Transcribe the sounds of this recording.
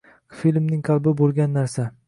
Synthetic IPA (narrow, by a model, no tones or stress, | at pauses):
filmnɪŋqʰɑlˠbɪbolˠɡʲanːaɾsa